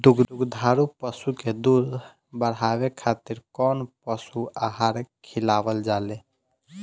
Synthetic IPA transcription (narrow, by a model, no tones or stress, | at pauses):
d̪uɡd̪uɡd̪ʱaɾupəsuked̪uɾ | bəɽɦabekʰat̪iɾkɔnpəsuaɦaɾkʰilabəld͡ʒale